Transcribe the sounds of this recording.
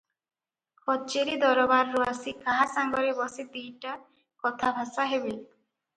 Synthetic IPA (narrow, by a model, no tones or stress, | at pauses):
kʰɔt͡ʃeɾid̪ɔɾɔbaɾːuasikaɦasaŋɡɔɾebɔsid̪ijʈa | kɔt̪ʰabʱasaɦebe